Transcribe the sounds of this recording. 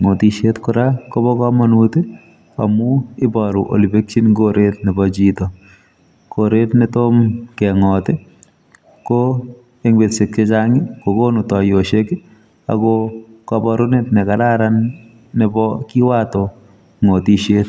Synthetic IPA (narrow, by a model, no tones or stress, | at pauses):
ŋotiʃetkʊɾakobɔkɔmɔnute | a̰muɪbɔɾuʔo̰libek̚t͡ʃinɡoɾet̪nɪbɔd͡ʒit̪ɔ | koɾet̪nɪtomkɛŋɔtɪ | ko | eŋbetsɪt̚ket͡ʃaŋɪkokonutɔjoʃek | a̰kɔkɔbɔɾʊnet̪nɪkaɾaɾanː | ɪbɔkiwatɔ | ŋotiʃet̪